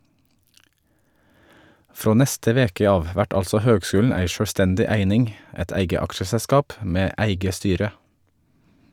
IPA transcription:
ˈfɾoː ˈnɛstə ˈʋeːkə ˈɑːʋ ˈʋæʈ ˈɑlsɔ ˈhøːɡˌskʉːln̩ ˈæɪ ʃœɽʋˈstɛndɪ ˈæɪnɪŋ ˈɛt ˈæɪɡə ˈɑkʃəsɛˌskɑːp ˈmeː ˈæɪɡə ˈstyːɾə

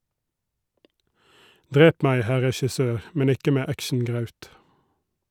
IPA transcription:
ˈdʁeːp ˈmæɪ ˈhæ ʁɛʃɪˈsøːɾ ˈmɛn ˈɪkə ˈmeː ˈækʃɳ̩ˌɡʁɑʉt

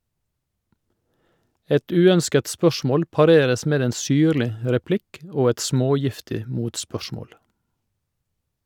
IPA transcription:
ˈɛt ˈʉːœnskət ˈspœʃmoːl pɑˈɾeːɾəs ˈmeːd ˈeːn ˈsyːɾlɪ ə ɾɛˈplɪk ˈoː ˈɛt ˈsmoːˌjɪftɪ ə ˈmuːtˌspœʃmoːl

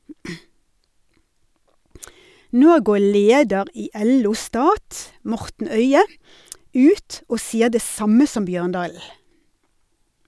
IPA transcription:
ˈnoː ˈɡoː ˈɭeːdəʁ ˈiː ˈʔɛˌluː ˈstɑːt ˈmɔʁtn̩ ˈœʏə ˈʉːt ˈoː ˈsiːə ˈdeː ˈsɑmə ˈsɔm ˈbjøːʁnˌdɑːl̩

